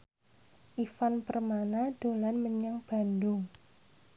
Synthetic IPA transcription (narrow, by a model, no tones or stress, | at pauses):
ʔifanpərmanad̥o̤lanməɲaŋb̥a̤ndʊŋ